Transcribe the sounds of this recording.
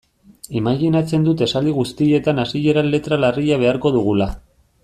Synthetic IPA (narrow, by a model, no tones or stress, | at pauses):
emaɣinat͡se̞nd̪ut̪e̞sald̪iɣ̞ust̪ie̞t̪anasiʎe̞ɾalːe̞t̪ɾalariʎaβ̞e̞aɾko̞ðuɣula